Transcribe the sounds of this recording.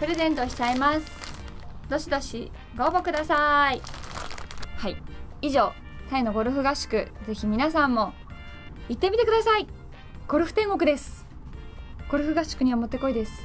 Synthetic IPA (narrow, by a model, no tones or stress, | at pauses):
pɯ̟ɾe̞zẽ̞nt̪o̞ɕi̥t͡ɕaimasɨ̥ | d̪o̞ɕid̪o̞ɕi | ɡo̞ːbo̞kɯ̟d̪asai | haiiʑo̞ː | t̪aeno̞ɡo̞ɾɯ̟ɸɯ̟ɡaɕi̥kɯ̟ze̞çimʲinasãmːo̞ | it̪ːe̞mʲit̪e̞kɯ̟d̪asai | ɡ̥o̞ɾɯ̟ɸ̟t̪ẽ̞ŋɡo̞kɯ̟d̪e̞sɨ̥ | ɡ̥o̞ɾɯ̟ɸɯ̟ɡaɕi̥kɯ̟ɲ̟iβmo̞t̪ːeko̞id̪e̞sɨ̥